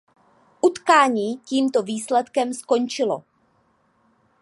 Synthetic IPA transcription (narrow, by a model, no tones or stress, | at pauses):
ʔut̪kaːɲiːciːmt̪o̞viːslɛt̪kɛmsko̞nt͡ʃɪlo̞̰